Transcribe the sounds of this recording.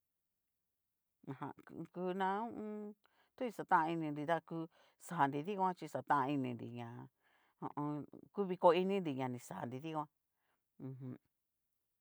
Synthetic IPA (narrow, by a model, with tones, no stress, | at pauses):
ã˧˨hã̰˧˨˧ku˧nã˧ũ˦ʔũ˧ | t̪u˦i˧sa˧t̪ã˦ã˧i˧nĩ˧nd̪i˧t̪a˦ku˧˦ | sa˨nd̪i˧ði˦kʷã˦t͡ʃi˧sa˨t̪ã˦ʔã˧i˧nĩ˧nd̪ḭ˨ɲã˨ | õ̰˧ʔõ˧ku˦βi˧ko˧i˧nĩ˦nd̪i˧ɲã˨nĩ˨sa˨nd̪i˧ði˦kʷã˦ | ũ˧ɦũ˧